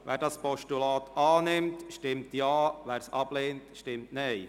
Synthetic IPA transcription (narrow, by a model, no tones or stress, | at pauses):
ʋæːɾdɑːspɔʃtulɑːt̪ɑːnɪmtʃtɪmtjɑːʋæːɾsɑb̥leːntʃtɪmtnɛɪ